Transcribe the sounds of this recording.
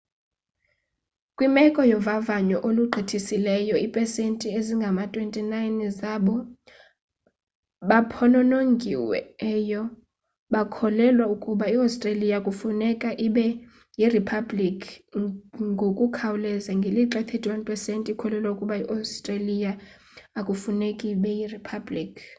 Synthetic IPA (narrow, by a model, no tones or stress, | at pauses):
kʼwimɛkʼɔjɔvavaɲɔʔoluǃʱitʰisilɛjɔipʼɛsentʼieziŋɡʱamatʼwentʼinajnzaɓɔ | ɓapʰɔnɔnoŋɡʱiwɛ̰ɛːjɔ | ɓakʰɔlɛlwaukʼuɓaiawstʼralijakʼufunɛkʼaʔiɓɛ | jiripʰablikʰ | ŋɡʱokʼukʰawulɛzaŋɡʱeliǁɛt̪ʰɛdʱʼwanpʼɛsentʼikʰɔlɛlwaukʼuɓaiʔastʼralija | akʼufunekʼiɓɛjiripʰablikʰ